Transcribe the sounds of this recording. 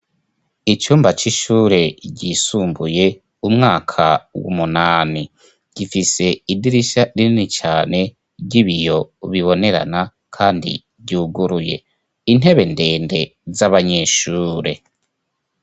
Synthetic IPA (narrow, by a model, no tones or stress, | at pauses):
it͡ʃuːmbat͡ʃiʃuːɾe̞ɟisuːmbuje̞ | umŋaːkʰawṵmunaːni | ɟ̥ifise̞idiɾiʃaɾininit͡ʃaːne̞ | ɟiβijo̞βiβo̞ne̞ɾa̰na | kʰaːndḭ | ɟuːɡuɾuje̞̰ | ine̞βe̞nde̞ːnde̞zaβaɲe̞ʃuːɾe̞